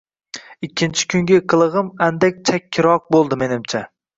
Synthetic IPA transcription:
ɪkʲʰːɪnt͡ʃʰɪ̥kʰʲʊŋɡʲɪqʰɨlˠɨʁɨmand̪ak̚ʲt͡ʃʰakʲʰːɪɾɒq̚bolˠd̪ɪme̞nɪmt͡ʃʰa

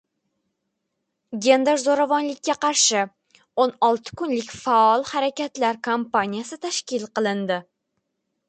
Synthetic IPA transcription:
ɡʲe̞nd̪eɾzoɾavɒnlɪkʲːaqɑɾʃɪ | onɒlˠt̪ʰɪ̥kʊnlɪkʲfaɒlˠhaɾakʲat̪laɾkʰompanijasɪt̪ʰaʃkʲɪlˠqɨlˠɪnd̪ɪ

